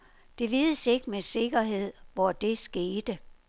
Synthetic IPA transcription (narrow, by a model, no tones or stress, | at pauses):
d̥e̝ʋiːðˠəse̝ɡ̥əmese̝ɡ̥ɐɦe̝ð̞̰ˠʋɒd̥e̝sɡ̥e̝ːd̥ə